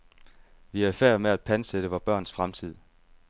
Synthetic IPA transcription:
ʋiæɐifæɐ̰meæd̥̚pʰænseɾ̥əʋɒb̥ɶɐ̰nsfʁamt͡sʰið̰ˠ

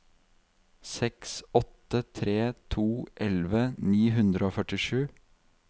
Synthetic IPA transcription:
sɛksɔt̪ət̪ʰɾeːt̪ʰuːʔɛlʋəniːɦʉnd̪ɾəoːfœʈɪʃʉː

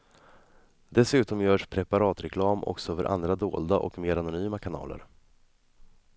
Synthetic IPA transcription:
d̪ɛsʉ̟ːt̪ɔmjœːʂpʰɾɛpaɾɑːt̪ɾɛkʰlɑːmʔɔ̰ksɔfœɾʔa̰nd̪ɾad̪o̰ːld̪aʔɔ̰kmeːɾanʊnyːmakʰanɑ̰ːlə̰ɾ

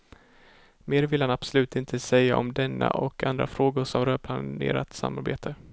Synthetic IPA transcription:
meːɾvɪlhanab̥sɔlʉ̟ːt̪ɪnt̪ʰəsɛjːaɔmd̪ɛnːa̰ʔɔkʰand̪ɾafɾoːɡʊɾʂɔmɾœːpʰlaḛːɾat̪sa̰mːaɾbḛːt̪ʰə

